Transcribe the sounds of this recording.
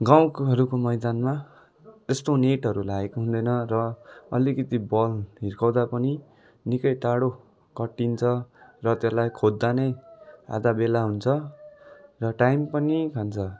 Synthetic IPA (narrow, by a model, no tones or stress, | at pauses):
ɡaw̃ɦʌɾukomʌjd̪anma | t̪est̪oneʈɦʌɾulaɡekoɦũnd̪ʌjnʌrʌʌ̰likʌt̪ibʌlɦirkʌwd̪apʌni | nikʌjʈ̪aɽo | kʌʈːint͡sʰʌrʌt̪elajkʰod̪ːanʌja̰d̪abelaɦunt͡sʰʌ | rʌʈajmpʌnikʰant͡sʰʌ